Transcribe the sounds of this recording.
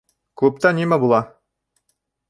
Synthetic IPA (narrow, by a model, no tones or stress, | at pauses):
kup̚t̪animæbulˠɑ